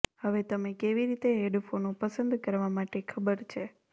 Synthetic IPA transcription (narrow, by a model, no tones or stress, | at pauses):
həʋet̪əmẽkeʋiɾit̪eɦeɖfonõpəsə̃nd̪kəɾʋamaʈekʰəbəɾt͡ʃʰe